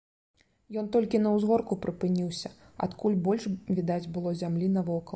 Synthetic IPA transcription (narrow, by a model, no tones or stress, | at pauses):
jɔnt̪ɔlʲkʲinɐwzɣɔrkupɾɨpɨnʲiwsʲɐa̰t̪kulʲbɔlʲʂvʲid̪ad͡zʲbɨlˠɔzʲamlʲinɐvɔkɐ